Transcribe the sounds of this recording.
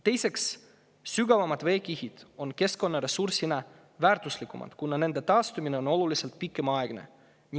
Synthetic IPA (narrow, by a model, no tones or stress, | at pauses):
t̪e̞jse̞ksː | yɡ̥ɑvɑmɑd̪̥ve̞ːkihid̪̥o̞nke̞sko̞nːɑɾe̞sursinɑ | væːrt̪uslikːˑumʔɑ̰d̪̥kunːɑne̞nd̪̥e̞t̪ɑːst̪umine̞o̞no̞lulise̞lt̪̚pikːˑe̞mɑeɡ̥ne̞̰ | nʲi